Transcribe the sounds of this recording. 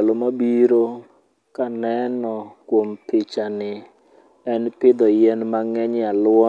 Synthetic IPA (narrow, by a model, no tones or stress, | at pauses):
alomabiɾo | kanɛnɔkwompɪt͡ʃanɪ | ɛnpɪd̪ɔjɛnmaŋɛɲalʊwɔ